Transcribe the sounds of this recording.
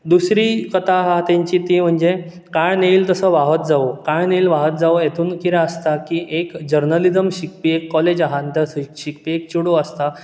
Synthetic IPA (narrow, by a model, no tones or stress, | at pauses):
d̪usɾikət̪aɦat̪eɲt͡ɕiːt̪iːm̤əɳd͡ʑe | kaɭneilt̪əsəʋaɦət̪̚d͡zaokãɭneilʋaɦət̪̚d͡zaojet̪ʰuːnkiɾaəst̪akiʔekd͡ʑəɾnəlid͡zəmɕik̚piekːɔled͡ʑaɦant̪əsɕikpiek̚t͡ɕuɽoəst̪a